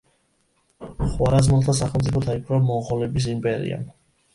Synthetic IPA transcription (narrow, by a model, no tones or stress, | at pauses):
χwaɾazmɔlˠt̪ʰasaχɛlˠmt̪sʼipʰɔt̪ʰaipʰɾamɔʁɔlɛbis̬impʼɛɾḭa̰